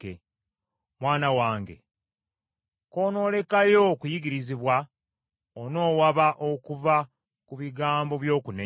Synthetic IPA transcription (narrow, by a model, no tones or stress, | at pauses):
e | mwaːnawaːŋɡe̞̰ | ko̞ːno̞ːle̞kajo̞kujiɡiɾiziβwa | ono̞ːwaβaʔo̞kuva | kuβiɡaːmbo̞βjo̞ːkune